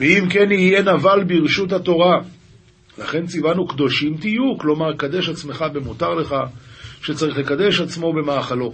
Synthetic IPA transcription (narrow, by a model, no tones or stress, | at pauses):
veimke̞niije̞navalbiʁʃutat̪o̞ʁa | laχe̞nt͡sivanukd̪o̞ʃimt̪ijuklo̞maʁkad̪e̞ʃat͡sme̞χabe̞mutaʁle̞χaʃe̞t͡saʁiχle̞kad̪e̞ʃat͡smo̞be̞maːχalo̞